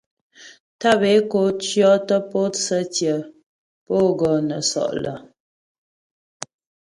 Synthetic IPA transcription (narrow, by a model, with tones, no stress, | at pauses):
ta˦˨be˨˦ko˨˦t͡ʃjɔ˦tə˦po˦t͡sə˦tjə˨ | po˦ɡɔ˨nə˨sɔ̰˨ʔlə̰˨